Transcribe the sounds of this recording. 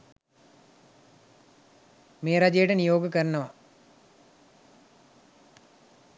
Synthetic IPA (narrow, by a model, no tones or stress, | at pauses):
meːɾad͡ʑejeʈɐnijoːɡɐkɐɾɐnɐʋɐ